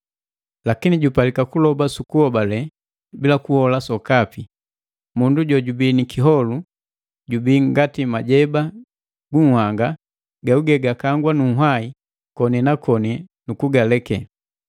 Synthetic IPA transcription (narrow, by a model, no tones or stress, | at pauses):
lakiniɟupalikakulɔbasukuhɔbalɛ | bilakuhɔlasɔkapi | munduɟɔɟubinikʰiɦɔlu | ɟubiŋɡatimaɟɛba | ɡuŋ̩haŋɡa | ɡauɡɛɡakaŋɡwanuŋɦwai | kɔnɛnakʰɔnɛnukuɡalɛkɛ̰